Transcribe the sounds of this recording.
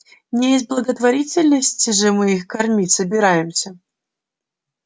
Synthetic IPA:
nʲɪjesʲt̚ʲblˠəɡət̪vɐɾʲit͡sʲɪlʲnəsʲtʲɪʐɨmɨixkɐrmʲitʲsəbʲɪɾajɪmsʲə

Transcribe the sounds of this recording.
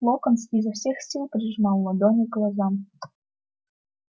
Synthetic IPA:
lˠokə̆nskʲizəwsʲexsʲilˠpɾʲiʒmɑlˠːɤ̆d̪onʲiɡlˠɑzɑm

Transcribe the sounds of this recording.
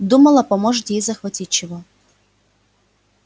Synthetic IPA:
d̪umɐlˠɐpɐmoʐɨt̪ʲjejzɐxvɐtʲitʲt͡ɕɪvo

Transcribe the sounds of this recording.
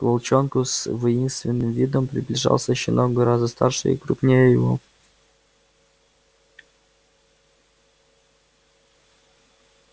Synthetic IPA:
kvolˠt͡ɕonkʊsvəinst̪vʲɪnːɨmvʲid̪ompɾʲɪblʲɪʐɑ̰lˠsʲəɕɪnʔoɡɡəɾazd̪əst̪a̰rʂɨḭkɾupnʲejəjvo̰

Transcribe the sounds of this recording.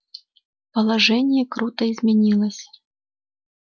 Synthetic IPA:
pɐlˠaʐɛnʲɪjɛkɾut̪əizmʲɛnʲilˠəsʲ

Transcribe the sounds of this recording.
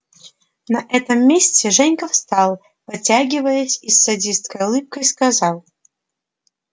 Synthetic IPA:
nɐʔɛt̪əmːʲesʲt͡sʲɛʐɛnʲkəfst̪ɑlˠ | pɨt͡sʲaɡʲɪvəjəsʲisːɐdʲist̪kəjʊlˠɨp̚kəjskazɑlˠ

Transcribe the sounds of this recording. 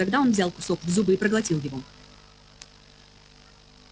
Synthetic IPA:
ɐɡd̪ao̞nvzʲalˠkʊ̥so̞kvzubɨipɾəɡlˠɐtʲilˠjɪvo̞

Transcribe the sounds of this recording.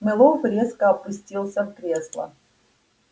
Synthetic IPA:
mʲɪlˠofɾʲe̞skəɐpʊsʲtʲilˠsʲəfkɾʲe̞slˠə̰

